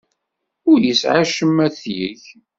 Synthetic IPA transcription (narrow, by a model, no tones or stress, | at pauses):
ʊɾjəsʕaʃəmːæθjəç